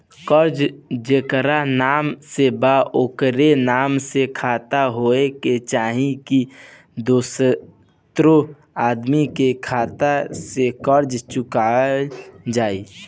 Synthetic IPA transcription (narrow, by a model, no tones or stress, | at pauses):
kəɾd͡ʒd͡ʒekɾanaːmsebaoːkɾenaːmsekʰaːt̪aɦoːeket͡ʃaːɦĩki | d̪oːs | t̪ɾo | aːd̪mikekʰaːt̪asekəɾd͡ʒt͡ʃʊka | d͡ʒaːiː